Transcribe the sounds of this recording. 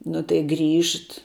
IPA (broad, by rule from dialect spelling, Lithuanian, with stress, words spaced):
nʊ tɐɪ ˈɡrʲiːʃt